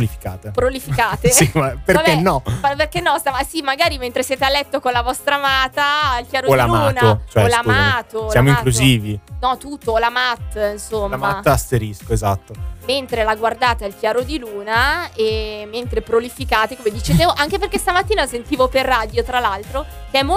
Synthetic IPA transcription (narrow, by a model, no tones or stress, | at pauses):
lifi̥kaːt̪epɾolifikaːt̪esiapeɾakenːɔperkenːɔst̪amasimaɡaːɾiment̪ɾesjeːt̪ealːɛt̪ːokonlavɔst̪ɾamaːt̪ailkjaːɾoolamauːnaot͡ʃoɛlamaːt̪oamoiŋkluziːvinɔt̪ut̪ːolamat̪ːinsomːamaaseɾiskoezat̪ːoment̪ɾelaɡward̪aːt̪ailkjaːɾod̪iluːnaemːent̪ɾepɾolifikaːt̪ekomed̪it͡ʃed̪evoʔaŋkeperkest̪amat̪ːiːnasent̪iːvoperːaːd̪jot̪ɾalalt̪ɾokeɛmːo